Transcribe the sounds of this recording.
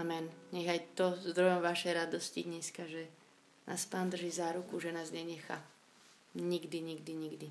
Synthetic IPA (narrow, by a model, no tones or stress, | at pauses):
amɛnɲɛɣajt̪ɔzd̪ɾɔjɔmʋaʃɛjɾad̪ɔsciɲɛskaʒɛ | nʔa̰ːspaːnd̪r̩ʒiːzaːɾukuʒɛnaːzɲɛɲɛxa̰ | ɲiɡd̪iɲiɡd̪iɲiɡd̪i